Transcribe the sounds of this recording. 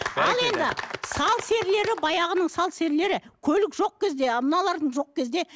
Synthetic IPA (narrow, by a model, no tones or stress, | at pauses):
ɑlˠe̞nd̪ɪsɑlˠse̞ɾle̞ɾɪbɑjɑʁənəɴsɑlˠse̞ɾle̞ɾɪkʲʰɵlɪkʒo̞q̚kʲʰe̞zd̪e̞mənɑlˠɑɾd̪əɴʒo̞q̚kʲʰe̞zd̪e̞